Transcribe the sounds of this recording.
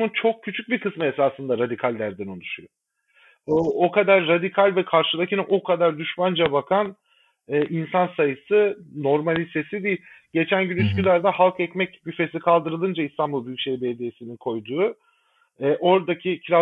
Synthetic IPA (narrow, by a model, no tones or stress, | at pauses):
unt͡ʃʰo̞k̚cʰːyt͡ʃʰyc̚bikɯsmɯesaːsɯnd̪aɾad̪ikʰalʲd̪æɾd̪inunˠyʃujo | ookʰad̪aɾːad̪ikʰalʲvɛkʰaɾʃɯlˠacʰinʔo̞kʰad̪aɾd̪yʃmand͡ʒabakʰan | ɛːʔinsansajɯsɯno̞ɾmalʲise̞sid̪ijiɟe̞t͡ʃʰænɟynyscylʲæɾd̪ɛhalˠkɛcmɛcjyfe̞sikʰalˠd̪ɯɾɯlˠɯnd͡ʒaist̪ʰanbulˠbyjycʃejbed̪ijesininkʰo̞jd̪uː | ɛːʔo̞ɾd̪acʰicʰɾa